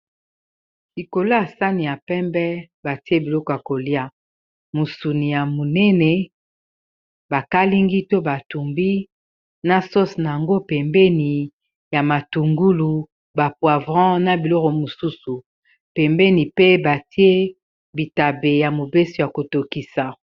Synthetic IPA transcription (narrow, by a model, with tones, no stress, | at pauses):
i˨ko˨lo˦a˨sa˦ni˨ja˨pɛ˦mbɛ˦ | ba˨ti˦e˦bi˨lɔ˦kɔ˨ja˨ko˨li˦a˦ | mo˨su˨ni˨ja˨mo˨nɛ˦nɛ˨ | ba˨ka˦li˦ŋɡi˦to˦ba˨tu˨mbi˦ | na˦so˦sna˨a˨ŋɡo˦pɛ˨mbɛ˦ni˨ | ja˨ma˨tu˨ŋɡu˦lu˨ | ba˨pwa˨vʁã˦na˨bi˨lɔ˦kɔ˨mo˨su˦su˨ | pɛ˨mbɛ˦ni˨pe˦ba˨ti˦e˦ | bi˨ta˨be˨ja˨mo˨be˦so˨ja˨ko˨to˨ki˨sa˨